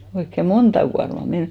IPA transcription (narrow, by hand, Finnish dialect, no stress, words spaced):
oikːe montɑ kuɑrmɑ men